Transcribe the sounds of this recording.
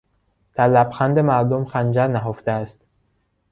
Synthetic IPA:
d̪̥æɾlæbxænd̪emæɾd̪omxænd͡ʒæɾnæɦoft̪eæst̪

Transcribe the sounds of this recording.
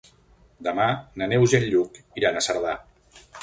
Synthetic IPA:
d̪əmananewzenʎukiɾanasəɾð̞a

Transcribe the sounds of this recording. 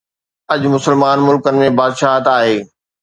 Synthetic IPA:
ɐʄmʊsəlmaːnmʊlkənɪ̆mẽbaːd̪ʃaːɦət̪aːɦeː

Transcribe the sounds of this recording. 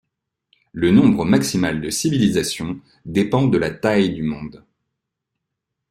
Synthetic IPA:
lənɔ̃bʁəmaksimald̪əsivilizasjɔ̃ | d̪epɑ̃d̪əlat̪ajd̪ymɔ̃d̪

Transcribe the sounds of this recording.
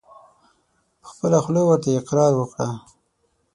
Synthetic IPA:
pə̥xpəlaxlowəɾt̪aɪqɾɑɾwəkɽa

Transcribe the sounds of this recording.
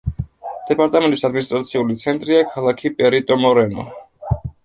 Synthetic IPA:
d̪̥ɛpʼaɾt̪ʼamɛ̃nt̪ʼisad̪minist̪ʼɾat̪sʰiulit̪sʰɛnt̪ʼɾiakʰalˠakʰipʼɛɾit̪ʼɔmɔɾɛnɔ̰

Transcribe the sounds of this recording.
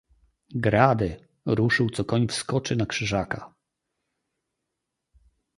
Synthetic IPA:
ɡɾad̪ɘ | ɾuʂɘwt̪sɔkɔɲfskɔt͡ʂɘnakʂɘʐaka

